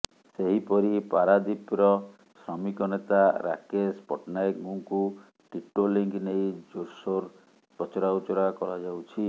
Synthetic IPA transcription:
seɦipɔɾipaɾad̪ipɾɔ | sɾɔmikɔnet̪aɾa̰kespɔʈnajkɡuŋku | ʈiʈoliŋknejd͡ʒoɾsoɾ | ɔt͡ʃɔɾaut͡ʃɔɾakɔɾɔd͡ʒawt͡ʃʰi

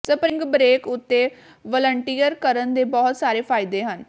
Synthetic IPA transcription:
səpɾɪ̃ŋɡbɾeːkʊt̪ːeː | ʋɔːləɳʈiːəɾkəɾənd̪eːbɔːt̪saːɾeːpʰaːɪd̪eːɦən

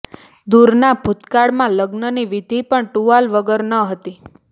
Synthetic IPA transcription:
d̪uɾnabʱut̪kaɽmãləɡnəniʋid̪ʱipəɳʈuʋalʋəɡəɾnəɦət̪i

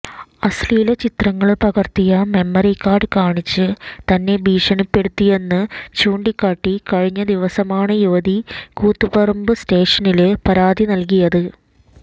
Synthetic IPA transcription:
ɐsliːlɐt͡ɕit̪rɐŋːɐɭpɐɣɐrt̪ːijɐme̞mːɐrikːaːrɖɨkaːɳit͡ɕːɨt̪ɐnːe̞bʱiːʂɐɳipːe̞ɽut̪ːije̞nːɨt͡ɕuːɳɖikʲːaːʈːikɐɻiɲːɐd̪iʋɐsɐmaːɳɨjuʋɐd̪ikuːt̪ːubɐrɐmbɨste̞ːʂɐnilpɐɾaːd̪inɐlk̬ijɐðɨ

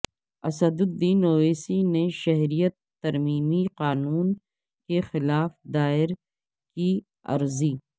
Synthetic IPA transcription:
ɐsəd̪ʊd̪iːnoːʋeːsineʃɐɦɾijət̪ːɐɾmiːmiqaːnuːn | kexɪlaːfd̪aːɪɾ | ki | ɐ̰ɾziː

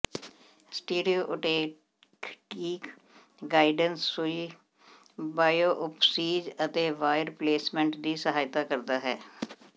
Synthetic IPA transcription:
sʈeːɖijoːʔʊʈeː | kiːk | ɡaːɪɖənsːʊiː | baːjoːʔʊpsiːd͡ʒət̪eːʋaːjəɾpleːsmɛ̃ɳʈd̪iːsəɦaːjt̪aːkəɾd̪aːɦɛː

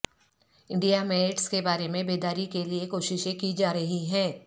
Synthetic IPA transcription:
ɪ̃ɳɖijamɛneʈskebaːɾemẽbeːd̪aːɾikeliekoːʃɪʃẽkid͡ʒaːɾɐɦiɦɛ̃ː

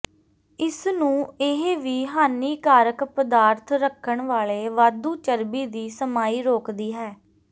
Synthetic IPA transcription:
ɪsnũːɪɦʋiːɦaːniːkaːɾəkpəd̪aːɾt̪ʰɾəkʰːəɳʋaːleːʋaːd̪uːt͡ʃəɾbiːd̪iːsəmaːiːɾoːkd̪iːɦɛː

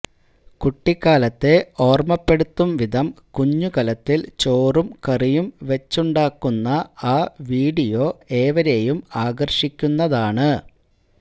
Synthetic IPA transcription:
kuʈːikːaːlɐt̪ːe̞o̞ːrmɐpːe̞ɽut̪ːumʋid̪ʱɐmkuɲːukɐlɐt̪ːilt͡ɕoːrumkɐrijumʋet͡ɕːuɳɖaːkːunːɐaːʋiːɽijo̞ːe̞ːʋɐɾe̞jumaːɡɐrɕikʲːunːɐðaːɳɨ

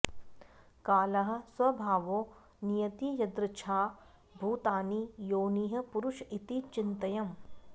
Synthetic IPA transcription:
kaːlɐɦɐ̆swɐbʱaːʋoː | nijɐt̪ijɐd̪ɾɪt͡ʃʰaː | bʱuːt̪aːnijoːniːɦɐ̆puɾʊʃit̪it͡ʃɪnt̪ɐjɐm

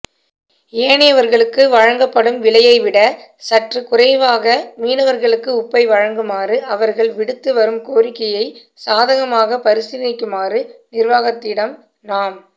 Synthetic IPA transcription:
eːɳɪjɐʋɐɾɣɐɭɯkːɯʋɐɻɐŋɡɐpːɐɽɯmʋɪɭɐjɐɪʋɪɽɐ | sɐʈrɯkʊrɐɪʋaːɣɐmiːnɐʋɐɾɣɐɭɯkːɯʊpːɐɪʋɐɻɐŋɡɯmaːrɯʔɐʋɐɾɣɐɭʋɪɽɯt̪ːɯʋɐɾɯmkoːɾɪkːɐjɐɪ | saːðɐɣɐmaːɣɐpɐɾɪsɪɾɪnɪkːɯmaːrɯnɪɾʋaːɣɐt̪ːɪɽɐm | naːm

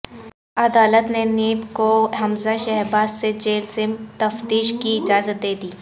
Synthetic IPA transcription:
ɐd̪aːlət̪neneːbkoɦɐmzaʃɛɦɾbaːzːed͡ʒeːlzɪmt̪ɐft̪iːʃkiɪd͡ʒaːzət̪̚d̪eːd̪iː

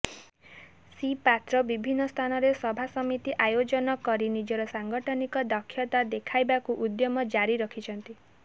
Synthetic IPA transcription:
sipat̪ɾɔbibʱinːɔst̪ʰanɔɾesɔbʱasɔmit̪iʔajod͡ʒɔnɔkɔɾinid͡ʒɔɾɔsaŋɡɔʈʰɔnikɔd̪ɔkʰjɔt̪ad̪ekʰajbakuʔud̪jɔmɔd͡ʒaɾiɾɔkʰit͡ʃʰɔnt̪i

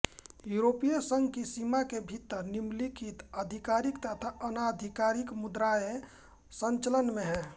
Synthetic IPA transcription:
juɾopijesəŋɡkisimakebʱit̪ːəɾnimlikʰit̪əd̪ʱikaɾikt̪ət̪ʰaʔənad̪ʱikaɾikmud̪ɾae | sə̃nt͡ʃələnmẽɦɛ̃ː

